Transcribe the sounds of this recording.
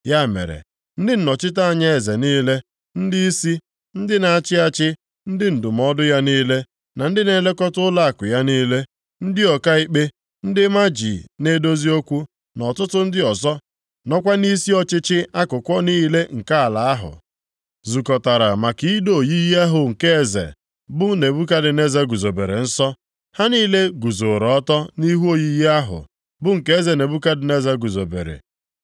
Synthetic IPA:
ja˦˨mḛ˨ɾḛ˨ | n̩˦dɪ˦n̩˨nɔ˨t͡ʃɪ˦ta˦a˨ɲa˦e˨ze˨niː˦le˦ | n̩˦dɪ˦i˦si˦ | n̩˦dɪ˦na˨a˨t͡ʃɪ˦a˦t͡ʃɪ˦ | n̩˦dɪ˦n̩˨dʊ˨m˦ɔ˦dʊ˦ja˦niː˦le˦ | na˨n̩˦dɪ˦ne˨˦le˦kɔ˦tʊ˦la˦a˨kʊ˨ja˦niː˦le˦ | n̩˦dɪ˦ɔ˨ka˦i˦k͡pe˦ | n̩˦dɪ˦ma˦d͡ʒḭ˨ne˦do˦zi˦o˦kʷu˦ | nɔ˨tʊ˦tʊ˦n̩˦dɪ˦ɔ˨zɔ˦ | nɔ˦kʷa˦ni˦si˦ɔ˦t͡ʃɪ˦t͡ʃɪ˦a˦kʊ˨kʷɔ˦niː˦le˦ŋ̩˨ka˦a˨la˨a˦ɦʊ̰˨ | zu˨kɔ˨ta˨ɾa˨ma˨ki˨i˦do˨ji˦ji˦a˦ɦʊ˨ŋ̩˨ke˦e˨zḛ˨ | bʊ˦ne˨bu˦k̬a˦dɪ˨ne˦za˦ɡu˨zo˨be˨ɾḛ˨n̩˦sɔ˦ | ha˦niː˦le˦ɡu˨zo˨ɾɔ˨ɔ˦tɔ˦ni˦ɦu˦o˨ji˦ji˦a˦ɦʊ̰˨ | bʊ˦ŋ̩˨ke˦e˦ze˨ne˨bu˦ka˦dɪ˨ne˦za˦ɡu˨zo˨bḛ˨ɾḛ˨

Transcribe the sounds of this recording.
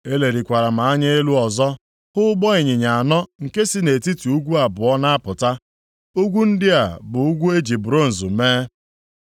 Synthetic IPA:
e˦le˨ɾi˨kʷa˨ɾa˨m̩a˨a˦ɲe˦e˦lu˦ɔ˨zɔ˦ | hʊ˦ɡ͡bɔ˦ɪ˨ɲɪ˨ɲa˨a˨nɔ˦ŋ̩˨ke˦si˦ne˨ti˦ti˨u˦ɡʷu˦a˨bʊ˨ɔ˦na˦a˦pʊ˨ta˦ | o˦ɡʷu˦n̩˦dɪ˦a˨bʊ˨ʊ˦ɡʷu˦e˦d͡ʒi˨bʊ˨ɾo˦˨n̩˨zu˨meː˦

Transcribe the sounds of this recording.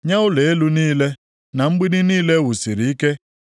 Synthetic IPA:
ɲa˦ʊ˦le˨e˦lu˦niː˦le˦ | na˨ŋ͡m̩˦ɡ͡bi˦ni˦niː˦le˦wu˨si˨ɾi˨i˦ke˦

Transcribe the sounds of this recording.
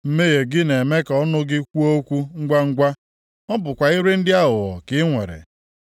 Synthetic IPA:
m̩˦me˦ɣe˨ɡɪ˦ne˨me˦kɔ˦nʊ˦ɡɪ˦kʷu˦o˦kʷu˦ŋ̩˦ɡʷa˦ŋ̩˦ɡʷa˦ | ɔ˦bʊ˨kʷa˨i˦ɾe˦n̩˦dɪ˦a˦ɦʊ˨ɣɔ̰˨kɪ˦ŋʷe˨ɾḛ˨

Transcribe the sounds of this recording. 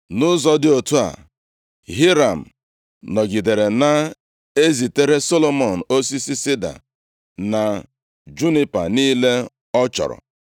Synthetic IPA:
nʊ˦zɔ˦dɪ˦o˨tu˦a̰˨ | ɦi˦ɾa˨m̩˨ | nɔ˨ɡi˨de˨ɾe˨na˦ | e˦zi˨te˦ɾe˦so˦lo˦mɔ˨n̩˨o˦si˦si˦sɪ˦da̰˨ | na˨ | d͡ʒu˦ni˦pa̰˨niː˦le˦ | ɔ˦t͡ʃɔ̰˨ɾɔ̰˨

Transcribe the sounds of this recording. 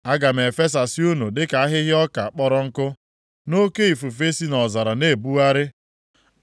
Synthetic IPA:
a˦ɡa˨m̩˨e˨fe˦s̬a˨si˦u˦nu˨dɪ˦ka˨a˦ɦɪ˦ɦɪ˦ɔ˦ka˨k͡pɔ˦ɾɔ˦ŋ̩˦kʊ˦ | no˦ke˦i˨fu˨f̬e˦si˦nɔ˨za˨ɾa˨ne˦˨bu˦a˦ɾɪ˦

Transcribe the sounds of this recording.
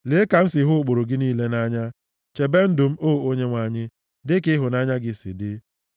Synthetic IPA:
le˨˦ka˨n̩˦sɪ˨ɦʊ˦˨k͡po˨ɾo˨ɡɪ˦niː˦le˦na˦ɲa˦ | t͡ʃe˨be˦n̩˦dʊ˨m̩˦o˦˨o˦ɲe˦ŋʷa˨ɲɪ˦ | dɪ˦kɪ˦ɦʊ˨na˦ɲa˦ɡɪ˨sɪ̰˨dɪ˦

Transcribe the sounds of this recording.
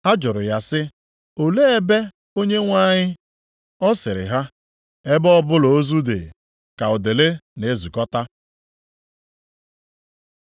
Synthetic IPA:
a˦d͡ʒʊ˨ɾʊ˨ja˦sɪ˦ | o˨le˦e˦be˦ | o˦ɲe˦ŋʷa˦ɲɪ˦ | ɔ˦sɪ˨ɾɪ̰˨ɦa˦ | e˦bɔ˦bʊ˦lo˨o˦zu˦dḛ˨ | ka˨ʊ˨de˨le˦ne˨˦zu˨kɔ˦ta˦

